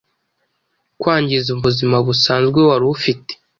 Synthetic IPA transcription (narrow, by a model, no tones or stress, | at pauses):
kwaːɲɟizuβuzimaβusaːnzɡwewaɾufite̥